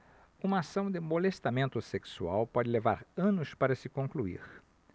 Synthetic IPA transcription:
ũmɐːsɐ̃w̃d̪ɪmolest̪amẽnt̪ʊseksua̰wpɔd͡ʒ̪ɪleva̰ɾɐ̃nʊspaɾɐsɪkõkluḭɾ

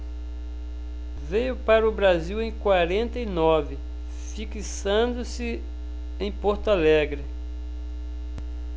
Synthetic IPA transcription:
vejʊpaɾɐʊbɾaziwẽj̃kwaɾẽnt̪ɐinɔvɪ | fikisɐ̃d̪ʊsɪ | ẽj̃pɔɾt̪alɛɡɾɪ

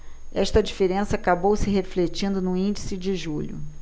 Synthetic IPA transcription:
ɛʃt̪ɐd͡ʒifeɾẽsɐaːkabowsɪɦeflet͡ʃĩnd̪ʊnũĩnd͡ʒisɪd͡ʒɪʒuʎʊ̰

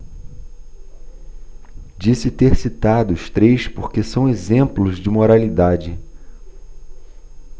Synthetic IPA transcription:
d͡ʒisɪt̪eɾsit̪ad̪ʊʊst̪ɾejspoɾkesɐ̃w̃ezẽmplʊzd͡ʒɪmoɾalid̪ad͡ʒɪ

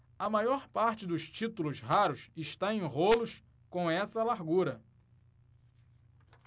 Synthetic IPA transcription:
ɐmajɔɾpaɾt͡ʃɪd̪ʊʃt͡ʃit̪ulʊzɦaɾʊsɪʃt̪aẽj̃ʁolʊʃ | kõw̃ɛsɐlaɾɡuɾɐ

